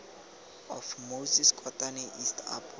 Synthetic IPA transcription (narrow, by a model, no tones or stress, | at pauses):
ɔfmoziskʰʼɔtʼaniʔistʰa̰pʰɔ